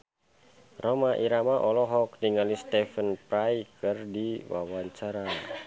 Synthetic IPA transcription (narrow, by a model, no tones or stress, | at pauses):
romaʔiɾamaʔɔlɔɦɔk̚diŋalist̪ɛfənpɾajkɨrdiwa̰waɲt͡ʃaɾa